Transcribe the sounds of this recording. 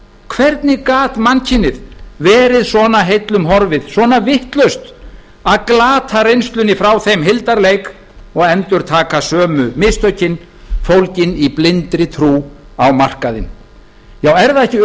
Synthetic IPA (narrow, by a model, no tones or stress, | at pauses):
kʰvɛɾt̪nɪkaːt̪mancʰɪnːɪðvɛːɾɪðsɔːnaɦejt̪lʏmɦɔɾvɪðsvɔnavɪht̪lœɥst̪ | aðklaːt̪ʰarejnst̪lʏnːɪfɾawθejmɦɪlt̪aɾlejk | ɔɣɛnt̪ʏɾ̥t̪ʰaːkasœːmʏmɪst̪œɥcɪn | fowlcɪniplɪnt̪ɾɪt̪ʰɾuː | awmar̥kaðɪn | jawɛɾðaɛhcɪ